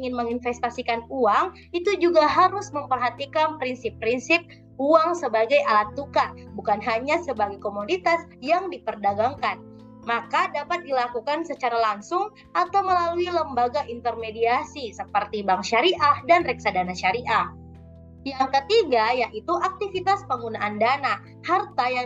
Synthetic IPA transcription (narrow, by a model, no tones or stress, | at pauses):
iŋɪnməŋinfɛst̪asikanuaŋ | it̪ud͡ʒuɡaɦaɾʊsməmpərɦat̪ikanpɾinsɪpːɾinsɪp̚ | uaŋsəbaɡajʔalat̪̚ːukabukanɦaɲasəbaɡajkomodit̪asjaŋdipərdaɡaŋkan | makadapat̪̚dilakukansət͡ʃaɾalaŋsʊŋ | ʔat̪awməlaluiləmbaɡaʔint̪ərmediasisəpərt̪ibaŋʃaɾiʔahdanrɛk̚sadanaʃaɾiʔah | jaŋkət̪iɡajaʔit̪uʔak̚t̪ifit̪aspəŋɡunaʔandana | hart̪aja